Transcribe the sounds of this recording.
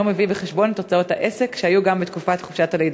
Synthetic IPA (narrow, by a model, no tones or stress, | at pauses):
omevibeχeʃbontot͡sao̞thaʔese̞kʃeajuɡambet̪kufatχofʃatalejd